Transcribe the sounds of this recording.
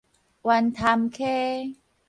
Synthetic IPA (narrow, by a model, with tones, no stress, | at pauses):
wa˧nt̪ʰa˧mkʰeː˦˥